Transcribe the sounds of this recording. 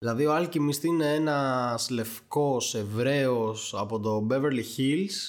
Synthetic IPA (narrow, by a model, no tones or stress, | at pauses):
ðilɐðioɐlcimist̪ineenɐsle̞fko̞se̞vɾe̞osɐpot̪o̞beveɾliçils